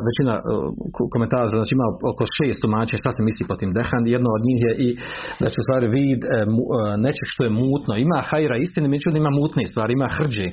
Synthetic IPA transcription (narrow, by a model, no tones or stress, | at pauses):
ʋet͡ʃina̰ | koment̪aːt̪oɾaznaːt͡ʃiimaokoʃeːst̪umaːt͡ʃeɲaʃt̪asemisliːpot̪iːmd̪exanjed̪nood̪ɲiːxjeʔid̪at͡ʃust̪ʋaːɾiʋiːd̪munet͡ʃeɡʃt̪o̞jemuːt̪noimaːxaiɾaist̪inemiet͡ʃud̪aimaːmuːt̪nest̪ʋaːɾiimaːxr̩d͡ʑeː